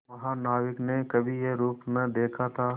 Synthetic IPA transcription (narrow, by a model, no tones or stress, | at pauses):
mɐɦãnaːʋɪknekɐbʱijeɾuːpnɐd̪eːkʰat̪ʰaː